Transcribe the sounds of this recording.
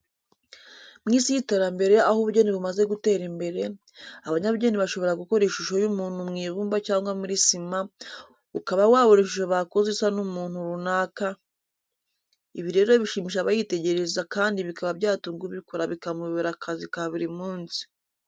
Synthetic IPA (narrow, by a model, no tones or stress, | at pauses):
mŋiːsijiteːɾambe̞ɾe̞ahoβuɾɟe̞ːniβumaze̞ɡute̞ːɾimbe̞ɾe̞ | aβaɲaβuɟe̞ːniβaʃo̞βo̞ɾaɡuko̞ɾiʃuʃo̞jumuːn̥humŋiːβuːmbacaːŋɡwamuɾisima | ukaβawaːβoɾiʃuʃoβakozisanumuːn̥huɾunaːka | iβiɾe̞ːɾo̞βiʃimiʃ̬aβajite̞ɟe̞ɾe̞zakaːndiβikaβabɟaːtuːŋɡuβiko̞ɾaβikamuββeɾakʰazikaβiɾimuːnsi̥